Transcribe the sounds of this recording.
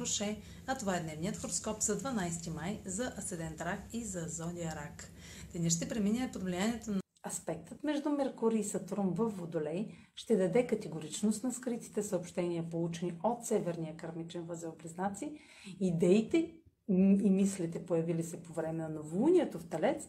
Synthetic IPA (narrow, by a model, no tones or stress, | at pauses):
ɾoʃɛ | ɐt̪ovaɛd̪nɛvnijət̪xoɾoskɔpzɐd̪vɐnajst̪imajzɐʔɐsɛd̪ɛnt̪ɾakizɐzɔd̪iəɾak | d̪ɛnɛʃ̬t̪ɛpɾɛminɛɛpod̪vlijaniɛt̪on | ɐspɛk̚t̪ət̪mɛʒd̪umɛɾkuɾiːsɐt̪ɾomvəfːod̪olɛj | ʃt̪ɛd̪ɐd̪ɛkɐt̪ɛɡoɾit͡ʃnost̪nɐskɾit̪i̥t̪ɛsəopʃt̪ɛniəpolˠut͡ʃɛniot̪sɛvɛɾnijəkɐɾmit͡ʃɛnvəzɛopliznat̪siə | id̪ɛit̪ɛ | imislit̪ɛpojɐvilisɛpovɾɛmɛnɐnovuniɛt̪oft̪ɛlɛt̪s